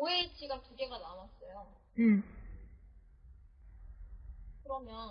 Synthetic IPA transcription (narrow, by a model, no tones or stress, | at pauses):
oɦet͡ɕʰiɡatuɡe̞ɡanawas͈ʌjo | ɯ | kɯɾʌmjʌn